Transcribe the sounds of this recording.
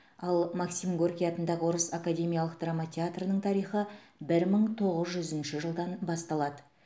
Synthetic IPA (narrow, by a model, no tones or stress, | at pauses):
ɑlˠmaksʲimɡorkʲijat̪ənd̪ɑʁəwoɾəsakad̪ʲe̞mijalˠəqd̪ramat̪ʲʰeat̪rənəɴt̪ʰɑɾijχəbɪɾməɴt̪ʰo̞ʁəzʒʏzɪnʃɪʒəlˠd̪ɑnbɑst̪ɑlˠɑd̪ə